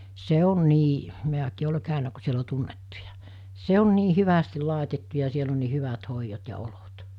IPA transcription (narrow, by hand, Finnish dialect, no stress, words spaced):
se on niː mi̞ækiː ole kæˑynæ ku siel o tunːetːujɑ se on niː hyʋæstil̆ lɑˑetetːu jɑ siel on niː hyʋɑt hoijot jɑ olot